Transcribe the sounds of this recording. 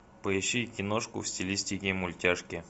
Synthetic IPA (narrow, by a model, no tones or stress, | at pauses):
pəɪɕːikʲɪnoʂkʊ̰fsʲtʲɪlʲisʲtʲɪkʲɪmʊlʲtʲaʂkʲɪ